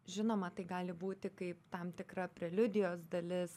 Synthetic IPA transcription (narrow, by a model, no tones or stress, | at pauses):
ʒʲɪnoːmɐt̪ɐɪɡɑːlʲɪbuːt̪ʲɪkɐɪpt̪ɐmt̪ʲɪkrɐpʲɾʲɛlʲʊd̪ʲɪjoːsd̪ɐlʲɪs